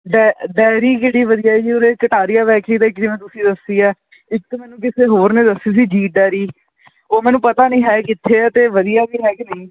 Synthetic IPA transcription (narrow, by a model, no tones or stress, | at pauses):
ɖɛɖɛːɾiːkeːɽiːʋəd̪ijaːd͡ʒiːoːɾeːkəʈaːɾɪjaːʋɛːkɾiːd̪aːɪkɾimẽːt̪ʊsĩːd̪əsiːaː | ɪkmɛ̃ːnũːkɪseːɦoːɾneːd̪əsːiːs̬iːd͡ʒiːʈ̚ɖɛːɾiː | oːmɛːnũːpət̪aːnəĩːɦɛːkɪt̪ʰːeːɛːt̪eːʋəd̪ijaːbiːɦɛːkenəĩː